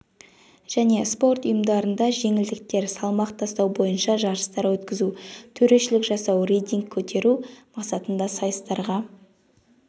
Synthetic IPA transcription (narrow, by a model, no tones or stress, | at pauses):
ʒ̥æne̞spo̞rt̪ʊjəmd̪ɑɾənd̪ɑʒe̞ŋɪld̪ɪk̚t̪e̞ɾsɑlˠmɑqt̪ʰɑst̪ɑwbo̞jənʃɑʒɑɾəst̪ɑɾwɵt̪kʲɪzut̪ʰɵɾe̞ʃɪlɪkʒɑsɑwrejt̪iŋkʲʰːɵt̪ʰe̞ɾumɑqsɑt̪ənd̪ɑsɑjəst̪ɑɾʁɑ